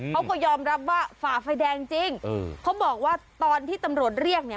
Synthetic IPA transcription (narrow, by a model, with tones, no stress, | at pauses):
kʰa˦˥kɔː˥˩jɔː˧mɾa˦˥p̚waː˥˩faː˨˩fa˧jdɛː˧ŋt͡ɕi˧ŋː˧kʰa˦˥wbɔː˨˩k̚waː˥˩t̪ɔː˧nt̪ʰiː˥˩t̪a˧mɾu˨˩ət̪̚ɾi˥˩ək̚ni˥˩